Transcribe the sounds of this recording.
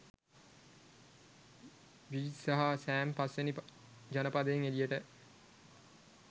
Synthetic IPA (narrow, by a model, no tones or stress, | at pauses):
ʋisaɦasæːmpasʋenip | d͡ʒanəpad̪əjeŋelijəʈə